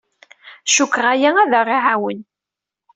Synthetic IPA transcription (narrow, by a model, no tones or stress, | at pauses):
ʃukːʁajææðæriʕawən